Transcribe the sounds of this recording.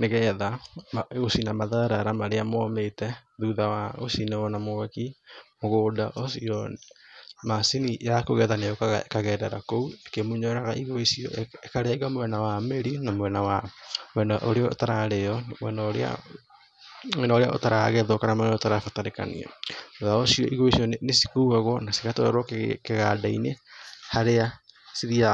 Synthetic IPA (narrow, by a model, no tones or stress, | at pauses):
neɣɛːðamosinamaðaɾaɾamaɾeamwɔmetɛðuðawaosinɛɔnamoɛkimoɣoːdaʔosiɔ | masinijakoɣɛːðanejokaɣa̰ekaɣɛːdɛɾakouekemuɲɔɾaɣaʔiɣoisiɔʔekaɾɛːɡamowɛnawameɾinamowɛnawamwɛnaʔoɾeɔo̰taɾaɾeɔnmɛnɔɾḛa̰ | naoɾeao̰taɾaɣɛðɔkanamanotaɾafataɾeka̰nḭɔ̰oðaosiɔʔiɣoisiɔnesi̥koɣaɣɔnasiɣatɔɛ̰ɾɔkekeɣadainehaɾeasiðia